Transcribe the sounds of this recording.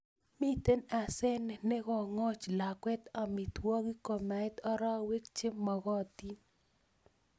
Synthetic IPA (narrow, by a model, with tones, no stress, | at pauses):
mi˦t̪e˦na˨sɛ˦nɛ˨nɛ˦ɡɔ˦˨ŋɔ˦t͡ʃla˨kwɛ˦t̪a˨mi˨t̪wɔ˦ɡi˦ko˨ma˨ɪ˦t̪ɔ˦ɾɔ˦we˦kt͡ʃe˦mːɔ˨ɣɔ˦˨t̪i˦n